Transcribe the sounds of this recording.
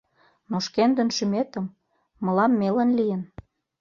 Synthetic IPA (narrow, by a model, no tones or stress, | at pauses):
noʃkend̪ə̆nʃymet̪ə̆mː | ə̆lɑmːelə̆nlijən